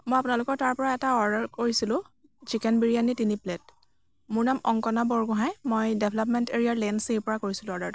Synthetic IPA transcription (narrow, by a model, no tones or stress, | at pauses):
mojapʊnalʊkɔɹtaɹpɔɹaɛtaɔɹdaɹkoɹisilʊ̃ | t͡ʃikɛnbiɹianitiniplɛt̚ | mʊɹnamɔ̰ŋkɔnabɔɹɡɔɦajmojdebʱlapmɛnteɹiaɹlɛnseɹpɔɹakoɹisilʊ̃ɔɹdaɹ